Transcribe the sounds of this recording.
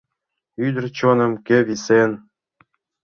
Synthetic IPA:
yd̪ɘ̆rt͡ɕonɤ̆mkĕβisen

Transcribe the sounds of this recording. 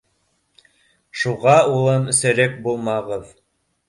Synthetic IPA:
ʃuʁɑulˠɤnɘ̆sæ̆ɾæk̚bulˠmɑʁɤð

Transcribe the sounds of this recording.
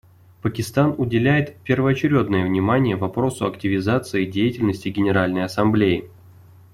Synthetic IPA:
pəkʲɪst̪anʊdʲɪlʲæjɪt̪pʲɪrvəɐt͡ɕɪɾʲo̞d̪nəjəvnʲɪmanʲɪjəvɐpɾo̞sʊɐktʲɪvʲɪzat̪sɨɪdʲejɪtʲɪlʲnəsʲtʲɪɡʲɪnʲɪɾalʲnəjɐsɐmblʲejɪ

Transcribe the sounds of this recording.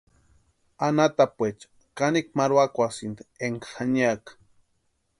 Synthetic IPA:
anat̪apwet͡ʃ | kanik̚maɾwakʷasint̪eŋkaxaniak

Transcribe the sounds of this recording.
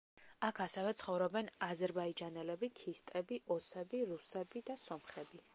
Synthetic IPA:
akʰasɛvɛt̪sʰχɔvɾɔbɛnazɛɾbaid͡ʒanɛlɛbikʰist̪ʼɛbiʔɔsɛbiɾusɛbid̪asɔmχɾɛbi

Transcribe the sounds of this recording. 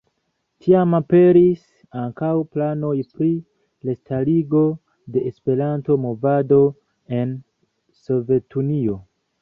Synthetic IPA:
tʰiamape̞ɾis | aŋkawplano̞jpɾi | lestʰaliɡo̞ | de̞ʔespe̞ɾanto̞mo̞vado̞ | e̞n | so̞ve̞tunio̞

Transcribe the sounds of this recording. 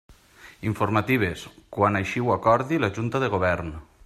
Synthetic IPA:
iɱfoɾmat̪iβ̞eskwanajʃiwakɔɾðilaʒunt̪aðeɣoβ̞ɛɾn

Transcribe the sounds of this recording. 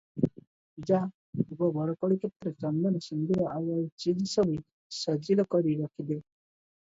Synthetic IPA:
id͡ʒa | ubɔbɔɽɔkɔɽikʰet̪ːɾet͡ʃɔnd̪ɔnɔsind̪iɾɔʔaʋait͡ʃid͡ʒsɔbʱu | sɔd͡ʒilɔkɔɾiɾɔkʰid̪e

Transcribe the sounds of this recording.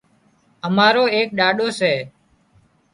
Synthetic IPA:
əmaːɾoːeːk̚ɗaːɗoːsɛː

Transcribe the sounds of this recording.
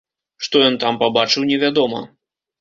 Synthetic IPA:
ʂt̪ɔjɔnt̪ampabat͡ʂɨwnʲɛvʲad̪ɔmɐ̰

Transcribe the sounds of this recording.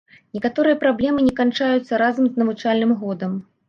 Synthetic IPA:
nʲɛkat̪ɔɾɨjɐpɾablʲɛmɨnʲɛkant͡ʂajut̪sːɐɾazɐmznɐvut͡ʂalʲnɨmɣɔd̪ɐm

